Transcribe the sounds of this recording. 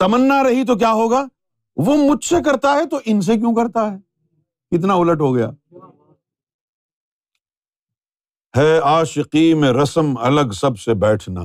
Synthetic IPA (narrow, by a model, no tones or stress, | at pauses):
t̪ɐmənːaɾɐɦit̪̬ok̬jaːɦoːɡaː | ʋomʊd͡ʒsekɐɾt̪aɦɛt̪oʔɪns̬ek̬jũːkɐɾt̪aɦɛː | kɪt̪naʊləʈɦoɡɐja̰ː | hɛːaːʃɪqimẽɾɐsəmɐ̰ləɡsɐbsebɛːʈʰna̰ː